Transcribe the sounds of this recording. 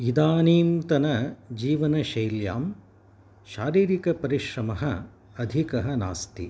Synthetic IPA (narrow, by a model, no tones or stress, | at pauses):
id̪aːniːmt̪ɐnɐd͡ʒiːʋɐnɐʃɐjlja̰ːm | ʃaːɾiːɾikɐpɐɾiʃɾɐmɐɦɐ | ɐd̪ʱikɐɦɐna̰ːst̪i